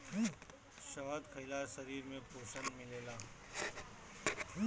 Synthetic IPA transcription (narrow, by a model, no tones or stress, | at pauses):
ʃɐʋad̪kʰɐɪlaɾsɐɾiːɾmẽpoːʃənmɪleːlaː